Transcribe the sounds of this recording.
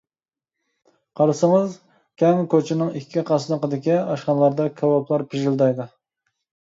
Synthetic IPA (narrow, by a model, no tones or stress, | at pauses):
qʰɑɾɨsɨŋɨz | kʲʰɛŋkʰʲøt͡ʃʰɪnɪŋikʲʰːiqʰɑsɨnɨqəd̪ɪkʲɛɑʃqɑnlˠɑɾd̪ɑkʲʰɑwɑpʰlˠɑɾpʰɪʒɪld̪ɑjd̪ɨ